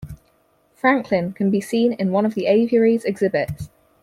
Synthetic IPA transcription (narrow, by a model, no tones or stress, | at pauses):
fɹãŋkʰlɪ̃nkʰə̃nbisĩːnɪ̃nwʌ̃nəvðieɪviəɹizɛɡz̥ɪbɪts